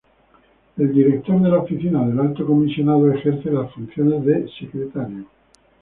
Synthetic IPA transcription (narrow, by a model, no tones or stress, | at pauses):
e̞ld̪iɾe̞k̚t̪o̞ɾðe̞laofiθinaðe̞lalt̪o̞ko̞misjo̞naðoe̞xeɾθelasfunθjo̞ne̞zðe̞se̞kɾet̪aɾjo